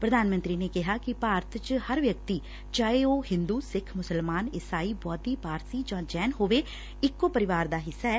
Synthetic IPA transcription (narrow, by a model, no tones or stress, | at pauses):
pɾəd̪ʱaːnmənt̪ɾiːneːkɪɦaːkɪpaːɾt̪ʰt͡ʃhəɾʋjək̚t̪iː | t͡ʃaːeoːhɪ̃nd̪uːsɪkʰmʊsəlmaːnɪsaːiːbɔːt̪iːpaːɾsiːd͡ʒãːd͡ʒɛːnɦoːʋeː | ɪkːoːpəɾɪʋaːɾd̪aːɦɪsːaɛː